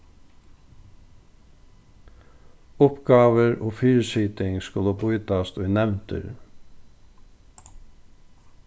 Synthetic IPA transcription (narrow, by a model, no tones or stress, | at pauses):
ʊpɡɑːʋəɾoːfyːɹsiːt̪ɪŋskʊləbʊjt̪ɑst̪ʊɪnɛʋnt̪ə̰ɾ